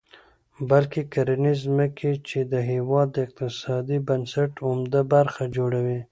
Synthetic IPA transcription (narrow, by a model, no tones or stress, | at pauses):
balkekaɾanɪzməkʰet͡ʃed̪əɦiwɑd̪ːəɪq̚t̪ɪsɑd̪ibənsaʈʊmd̪abaɾxad͡ʒoɽawi